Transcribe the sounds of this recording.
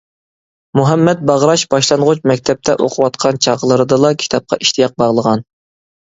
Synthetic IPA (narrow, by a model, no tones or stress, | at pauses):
muɦɛmːɛt̪̚bɑʁɾɑʃbɑʃlˠɑnʁʊt͡ʃmɛkʲt̪ʰɛp̚t̪ʰɛʔoqʰʊwɑt̪qʰɑnt͡ʃʰɑʁəlˠɨɾɨd̪ɨlˠɑkʲʰi̥t̪ʰɑp̚qʰɑ̰ʔiʃt̪ijɑq̚bɑʁlˠəʁɑn